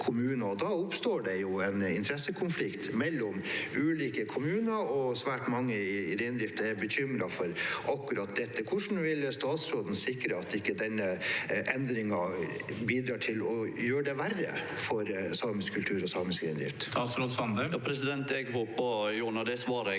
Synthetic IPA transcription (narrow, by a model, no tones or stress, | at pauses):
kʰʊmʉːnəɔd̪ɑːʊpst̪oːɖɛjʊɛnɪ̰nt̪ʰɾɛsəkʰʊnflɪkt̪mɛlːɔmʉːliːkəkʰʊmʉːnəɔsʋæːʈmɑŋːəɾeːnd̪ɾɪft̪ɛɾbəɕʏmɾɑfɔɾɑkːʉɾɑt̪̚d̪ɛt̪ːəkʰʊʂn̩ʋɪlst̪ɑːt̪sɾoːd̪n̩sɪkɾəɑt̪ɪkːəd̪ɛnːəʔɛnd̪ɾɪŋɑ | biːd̪ɾɑːʈʰɪlɔjøːɖɛʋærːə̰ | fɔɾsɑːmənskʰʉlt̪ʰʉːɾɔsɑːmənskɾḛːnɾɪ̰ft̪st̪ɑːt̪sɾoːsɑnd̪əpʰɾɛsɪd̪ɛnt̪ɛɡɦoːpɑjʊːɳɑd̪ɛsʋɑːɾ